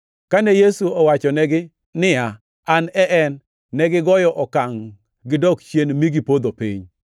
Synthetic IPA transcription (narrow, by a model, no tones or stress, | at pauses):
kanɛjesuɔwat͡ʃɔnɛɡɪ | nɪa | anɛʔɛnː | ɛɡɪɡɔjɔʔɔkaŋ | ɡɪdɔkt͡ʃjenmiɡipod̪opḭɲ